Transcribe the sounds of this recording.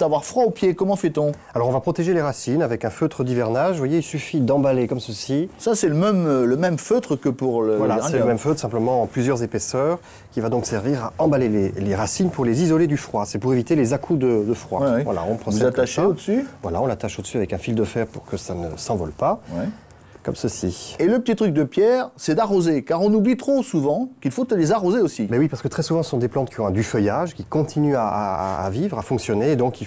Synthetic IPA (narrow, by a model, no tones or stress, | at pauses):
d̪̥avwaʁfχwaopjekɔmɑ̃fɛt̪ɔ̃ | alɔʁɔ̃vapχɔt̪eʒeleʁasinavɛkɛ̃føt̪χəd̪ivɛʁnaʒvwajeilsyfid̪ɑ̃balekɔmsəsisasɛləmɛmləmɛmføt̪χəkəpuʁləvwalasɛləmɛmføt̪χəsɛ̃pləmɑ̃plyzjœʁzepɛsœʁ | kʲivad̪ɔ̃ksɛʁviʁaɑ̃baleleleʁasinpuʁlezizɔled̪yfχwasɛpuʁevit̪elezakʰud̪əd̪əfχwa̰vwa̰la̰ɔ̃pʰχɔsɛak̪aʃod̪əsyvwalaɔ̃lat̪aʃod̪əsyavɛkɛ̃fild̪əfɛʁpuʁkəsanə̰sɑ̃vɔ̰lpawɛ | kɔ̰msəsieləpət̪it̪χyk̚d̪əpjɛːʁsɛd̪aʁozekaʁɔ̃nublit̪χosuvɑ̃kilfot̪alezaʁozeosimɛwipaʁsə̥kət̪χɛsuvɑ̃sə̥sɔ̃d̪eplɑ̃t̪̚kʰʲiɔ̃ɛ̃d̪yfœjaʒkʲikɔ̃t̪ʰinyaa̰ːvivʁafɔ̃ksjɔneːd̪ɔ̃ki